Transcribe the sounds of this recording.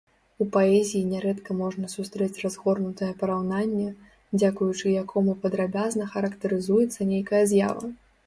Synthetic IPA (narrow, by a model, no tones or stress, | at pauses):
upaɛzʲijinʲɛɾɛt̪kɐmɔʐnɐsust̪ɾɛt͡sʲrazɣɔrnut̪ɐjɐpɐɾawnanʲːɛ | d͡zʲakujut͡ʂɨjakʰɔmupɐd̪ɾabʲaznɐxɐɾɐkt̪ɐɾɨzujɛt̪sːɐnʲejkɐjɐzʲja̰vɐ̰